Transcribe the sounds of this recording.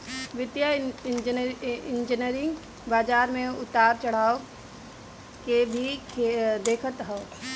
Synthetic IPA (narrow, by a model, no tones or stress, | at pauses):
ʋɪt̪jad͡ʒɪ̃nd͡ʒɪnjəɾɪ̃ŋɡ | baːd͡ʒaːɾmẽʊt̪aːɾt͡ʃɐɽ̤aːo | kebʱikʰed̪eːkʰət̪ɦɛo